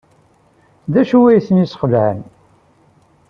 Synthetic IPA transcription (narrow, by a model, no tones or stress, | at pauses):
ðæʃuwæjθənisχəlʕən